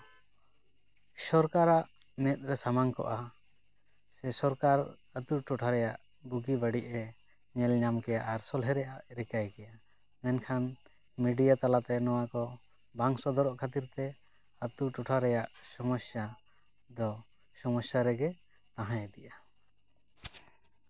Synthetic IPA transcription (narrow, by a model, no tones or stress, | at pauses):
sɔɾkaɾaʔnɛt̪̚ˀɾɛsamaŋkɔ̰ʔa | sɛsɔɾkaɾət̪uʈuʈʰaɾɛjaʔbuɡibəɖiʔɛɲɛlɲamkɛjaʔaɾsɔlɦɛɾɛʔaʔɾɛkajkɛjamɛnkʰan | miɖijat̪alat̪ɛnɔwakɔbaŋsɔd̪ɔɾɔʔkʰat̪iɾt̪ɛət̪uʈuʈʰaɾɛjaʔsɔmɔsjad̪ɔsɔmɔsjaɾɛɡɛt̪ãɦãjɛd̪iʔa